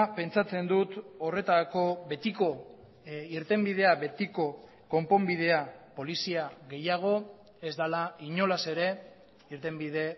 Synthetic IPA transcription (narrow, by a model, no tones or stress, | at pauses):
pe̞nt͡sat͡se̞nd̪ut̪o̞re̞t̪ako̞βe̞t̪iko̞ | iɾt̪e̞mbið̞e̞aβe̞t̪iko̞ | ko̞mpo̞mbiðe̞apo̞lisiaɣe̞jaɣ̞o̞ | e̞zd̪alaiɲo̞lase̞ɾe̞ | iɾt̪e̞mbið̞e̞